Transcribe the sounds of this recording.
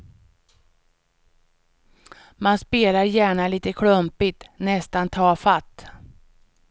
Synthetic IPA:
manspeːlaɾjæːɳaliːt̪əkʰɽɵmpɪt̪nɛst̪ant̪ʰɑːfat̪ː

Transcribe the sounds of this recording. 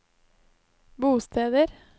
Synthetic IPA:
buːst̪ʰeːd̪əɾ

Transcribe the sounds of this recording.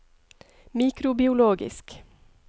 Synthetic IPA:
miːkɾʊbɪʊloːɡɪ̰sk

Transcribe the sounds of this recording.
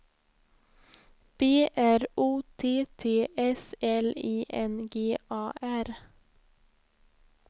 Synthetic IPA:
b̥eːʔæɾuːt̪ʰeːt̪ʰeːʔɛsɛleːʔɛnɡeːʔɑːʔæɾ

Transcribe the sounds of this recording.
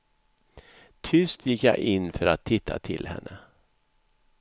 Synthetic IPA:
t̪ʰʏst̪ʰjɪkjaʔɪnːfœɾat̪ʰːɪt̪ʰːat̪ʰɪ̰lhɛ̰nːə

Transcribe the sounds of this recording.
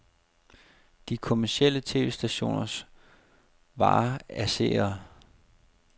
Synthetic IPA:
d̥ikʰo̝mæɐsiel̰ət͡sʰe̝̰ːʋe̝ːsd̥æɕo̝̰ːnɐs | ʋɑ̰̈ːæsḛːɐ

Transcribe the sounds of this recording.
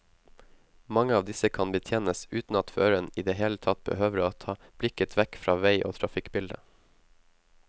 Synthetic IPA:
mɑŋəɑːʋd̪ɪsəkʰɑnbət̪ʰjeːnəsʉːt̪n̩ɑt̪føːɾəniːd̪eːɦeːlət̪ʰɑt̪̚b̥ə̰høːʋəɾoːt̪ʰɑːb̥lɪkət̪ʰʋɛkfɾɑːʋeɪʔo̰ːt̪ʰɾɑfɪkbɪld̪ə̰

